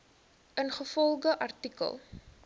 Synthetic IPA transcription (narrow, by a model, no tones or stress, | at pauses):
ʔənχəfɔlˠχəʔɐrtikə̰lˠ